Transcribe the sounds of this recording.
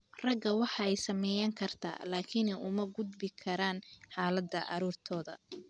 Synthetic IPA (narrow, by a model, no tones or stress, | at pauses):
rɐɡɐwɑħɑɛjsɐmɛːjɐŋkʰɐrt̪ʰa̰ːlaːkʰɪnɛʔʊmɐɡʊd̪bɪkʰɐɾaːnħɑːlɐd̪ɐ̰ʔɑ̰ɾuːrt̪ʰɔːðɐ̰